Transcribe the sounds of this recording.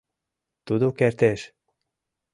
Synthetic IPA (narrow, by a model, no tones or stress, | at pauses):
t̪ud̪okert̪eʃ